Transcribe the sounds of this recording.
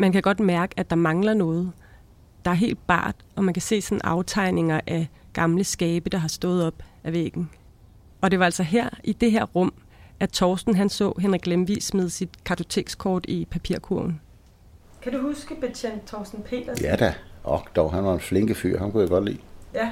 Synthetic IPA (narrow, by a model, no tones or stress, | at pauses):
mænkʰæɡ̥ɒ̽d̥mæɐɡ̥əæd̥ɑ̈mɑ̈ŋlɐnɔ̽ːð̞̩ˠ | d̥ɑ̈æɐɦe̝̰ːld̥̚b̥ɑ̰̈ːd̥ɒ̽mænkʰæse̝̰ːsɒ̽n̩ʔɑ̈ʊt͡sʰɑ̈ɪne̝ŋɐʔæ | ɡ̥ɑ̈mləsɡ̥ɛːb̥əd̥ɑ̈ɦɑ̈sd̥ɔ̰̽ːð̞̩ˠɒ̽b̥ | æʋeɡ̥n̩ | ɒ̽d̥e̝ʋɑ̈ælsɒ̽ɦeɐ̰ʔid̥e̝ɦeɐ̰ʁɔ̽m̰ | ʔæt͡sʰɒːsd̥n̩ɦænsɔ̰̽ːɦenʁiɡ̥lemʋḭːsmeð̞̩ˠsid̥kʰɑ̈t͡sʰo̝t͡sʰe̝̰ɡ̥skʰɒ̰ːd̥ipʰæpʰiɐ̰kʰuɐ̰n̩ | kʰæduhusɡ̥əb̥et͡ɕʰend̥̚t͡sʰɒːsd̥n̩pʰe̝̰ːd̥ɐjæd̥æɒɡ̥d̥ɒʊɦænʋɑ̈enfleŋɡ̥əfy̰ɐhænkujæɡ̥ɒ̽d̥lḭː